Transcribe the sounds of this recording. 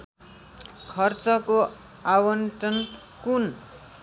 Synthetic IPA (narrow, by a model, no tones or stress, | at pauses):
kʰʌrt͡sʌko | awʌnʈʌn | kun